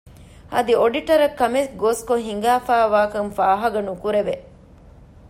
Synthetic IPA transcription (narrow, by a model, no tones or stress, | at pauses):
ɐd̪ioɖiʈɐɾɐkːɐmesɡoːskoɦiŋ̆ɡaːfaːʋaːkɐnfaːɦɐɡɐnukuɾeʋe